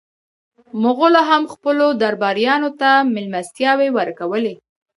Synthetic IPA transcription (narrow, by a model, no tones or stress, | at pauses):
mʊɣolaɦamxpəlod̪aɾbɑɾjɑnot̪amɪlmast̪jɑwewəɾkawəle